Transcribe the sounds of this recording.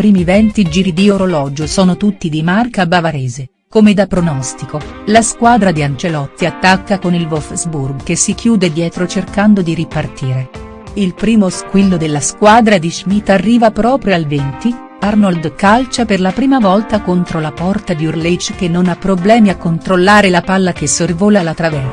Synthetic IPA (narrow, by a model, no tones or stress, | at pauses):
pɾiːmivɛnt̪id͡ʒiːɾid̪ioɾolɔːd͡ʒosɔːnot̪ut̪ːid̪imarkabavaɾɛːze | komed̪apɾonɔst̪ikolaskwaːd̪ɾad̪iant͡ʃelɔt̪ːiat̪ːakːakonilvofzburɡkesːik̟ʰjuːd̪ed̪jɛːt̪ɾot͡ʃerkand̪od̪iɾipart̪iːɾe | ilpɾiːmoskwilːod̪elːaskwaːd̪ɾad̪iʒmit̪ːarːiːvapɾɔːpɾjoalvent̪i | arnold̪kalt͡ʃaperlapɾiːmavɔlt̪akont̪ɾolapɔrt̪ad̪iurlet͡ʃːk̟enːonapːɾoblɛːmiakːont̪ɾolːaːɾelapalːak̟esːorvoːlalat̪ːɾavɛr